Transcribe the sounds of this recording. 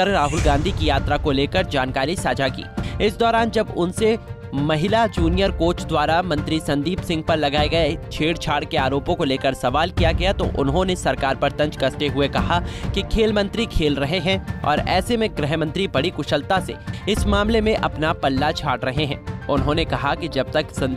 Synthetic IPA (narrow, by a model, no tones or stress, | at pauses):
ɐɾɾaːɦʊlɡãːnd̪ʱikijaːt̪ɾakoleːkəɾd͡ʒaːnkaːɾisaːd͡ʒakḭːɪsd̪ɔːɾaːnd͡ʒɐbʊnse | mɐɦɪlad͡ʒuːnijəɾkoːt͡ʃd̪waːɾamɐ̃nt̪ɾisɐ̃nd̪iːpsɪ̃ŋɡ̚pɐɾlɐɡaːeɡɐet͡ʃʰeːɽt͡ʃʰaːɽkeaːɾoːpõkoleːkəɾsɐʋaːlkijaɡɐjat̪o̰ʔʊ̰nɦõnesɐɾkaːɾpɐɾt̪ɐ̃ɲd͡ʒkɐst̪eɦʊekɐɦakikʰeːlmɐ̃nt̪ɾikʰeːlɾɐɦeɦɛ̃ɔ̰ːɾɛːsemẽɡɾɛɦmɐ̃nt̪ɾibɐɽikʊʃəlt̪asḛɪsmaːmlemẽʔɐpnapɐlːat͡ʃʰaːɽɾɐɦeɦɛ̰̃ːʊnɦõnekɐɦakid͡ʒɐb̚t̪ɐksɐ̃n